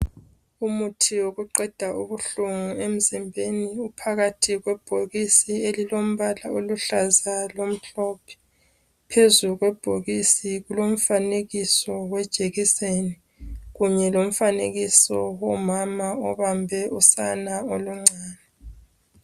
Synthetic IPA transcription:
umutʰioɣuǃɛd̥ʱaʔuβuɬuŋuem̩zimbʱeniupʰaɣatʰiɣwɛb̥ʱoɣisielilom̩βalaoluɬazalom̩ɬɔpʰɛ̥ | pʰezuɣwɛb̥ʱoɣisiɣulom̩faneɣisɔwɛd̥ʒ̥ʱeɣiseni | ɣuɲɛlom̩faneɣisɔwɔmamaɔβambʱɛusanaoluŋ͡ǀʱaːnɛ

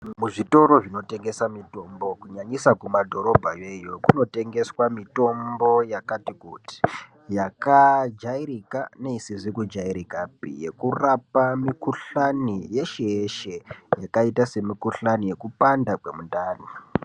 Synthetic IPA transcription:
muʐito̞ɾo̞ʐino̞te̞ŋɡe̞samito̞mbo̞kuɲaɲisakumadʱo̞ɾo̞bʱajejo̞kuno̞te̞ŋɡe̞swamito̞mbo̞jakatikuti̥ | jakad͡ʒaiɾikane̞isiʐikud͡ʒaiɾikapḭje̞kurapamikuɬanije̞ʃeeʃe̞jakaitase̞mikuɬanije̞kupandakwe̞mundaːni

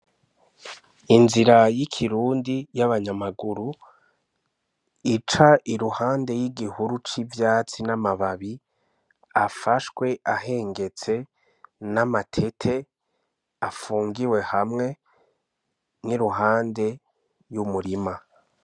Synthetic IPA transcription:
inziɾajikʰiɾuːndijaβaɲamaɡuɾu | it͡ʃaʔiɾuhaːnde̞jiɡihuɾut͡ʃivjaːt͡sinamaβaβi | afaʃwe̞ʔaɦe̞ːŋɡe̞t͡se̞ | namatʰe̞tʰe̞ | afuːŋɡiwe̞hamŋe̞ | niɾuɦaːnde̞ | jumuɾima

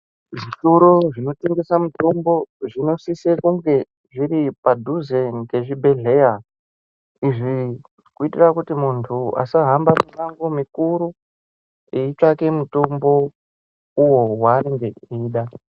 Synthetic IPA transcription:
ʐituɾoʐino̞teŋɡesamuto̞mbo̞ʐino̞sisekuŋɡe̞ | ʐiɾipadʱuzenke̞ʐibʱe̞ɮe̞ja | iʐi | kuitirakutimuntʰua̰saɦambaminaŋɡomikuɾu | eit͡ʃake̞muto̞mbo̞ | uwo̞waŋɡeiːɗa

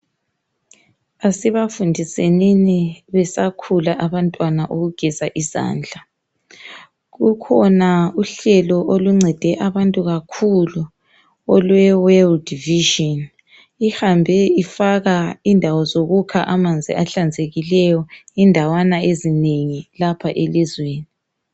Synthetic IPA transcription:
asiβafundʱiseniniβɛsakʰulaʔaβantʼwanaʔoɣuɡ̥ʱizaʔiza̰ːnd͡ɮʱa | ɣukʰɔnauɬɛlɔʔoluŋ͡ǀʱɛd̥ʱɛʔaβantʼuɣakʰulu | ɔlwɛwɛldviʒɔn | ihambʱɛifaɣaindʱawɔzoɣukʰaʔamand͡zʱḭaɬand͡zʱeɣilɛjɔindʱawanaezineŋilapʰaʔelizweːni

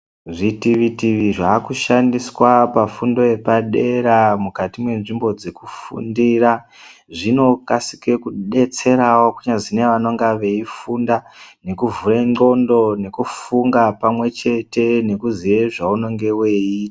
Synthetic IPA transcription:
ʐitiʋitiʋiʐaːkuʃandiswapafundo̞jepaɗe̞ɾamukatimwe̞nʐimbo̞d͡zekufṵndiːra | ʐino̞kasi̥ke̞kuɗe̞t͡se̞ɾawo̞kuɲazine̞ʋano̞ŋɡaʋe̞ifundane̞kuvureŋ͡ǃo̞ndo̞ne̞kufuŋɡapamwe̞t͡ʃe̞te̞ne̞kuzije̞ʐauno̞ŋɡe̞we̞iːtḁ

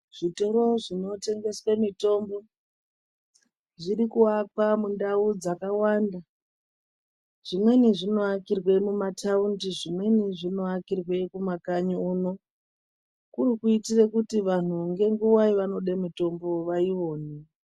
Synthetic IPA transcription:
ʐ̥itoɾo̞ʐino̞te̞ŋɡe̞swemito̞mbo̞ | ʐiɾikuakwamundaud͡zakawanda | ʐ̥imwe̞niʐino̞akirwe̞mumatʰaundiʐimwe̞niʐino̞akirwe̞kumakaɲuuno̞ | kurikuitirekutiʋan̤uŋɡe̞ŋɡuwaiʋano̞ɗemito̞mbo̞ʋaiʋo̞ːni

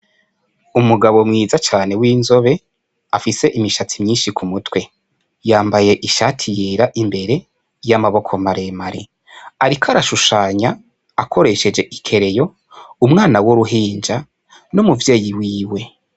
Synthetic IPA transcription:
umuɡaβo̞mŋiːzat͡ʃaːne̞wiːnzo̞βe̞ | afise̞ʔimiʃat͡simɲiːnʃikʰumutwe̞ | jaːmbaje̞ʔiʃatʰijeɾaʔimbe̞ɾe̞ | jamaβo̞kʰo̞maɾe̞maɾḭ | aɾikʰaɾaʃuʃaːɲa | akʰo̞ɾe̞ʃe̞d͡ʒe̞ʔikʰe̞ɾe̞jo̞ | umŋaːnawoɾuɦiːnd͡ʒa | numuvje̞ːjiwiːwe̞

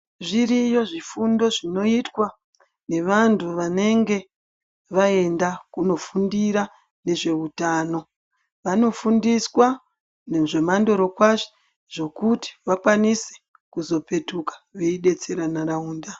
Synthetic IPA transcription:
ʐiɾijo̞ʐifundo̞ʐino̞itwa | ne̞ʋantuʋane̞ŋɡe̞ | ʋae̞ndakuno̞fundiɾa | ne̞ʐe̞utaːno̞ | ʋano̞fundiswa | neʐe̞mando̞ɾo̞kwaʐo̥ | ʐ̥o̞kuti̥ʋakwanise̥ | kuzo̞pe̞tukḁʋeiɗe̞t͡seɾanarauːnda

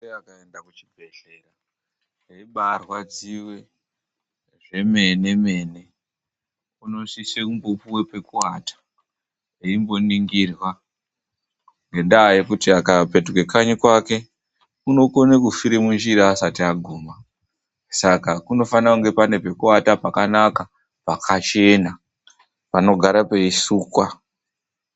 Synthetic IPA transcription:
eakaendakut͡ʃi̥bʱeɬera | eiɓarwad͡ziwe̞ | ʐe̞me̞ne̞me̞ːne̞ | kuno̞sisekumbopuwe̞pe̞kuwatḁ | eimbo̞niŋɡirwa | ŋɡe̞ndaːjekutiakape̞tuke̞kaɲikwake̞ | uno̞konekufiɾemund͡ʒiɾiːsatiaɡʱuːma | sakakuno̞fanakuŋɡe̞pane̞pe̞kuatapakanaka | pakʰat͡ʃe̞ːna | pano̞ɡʱaɾape̞isuːkwa

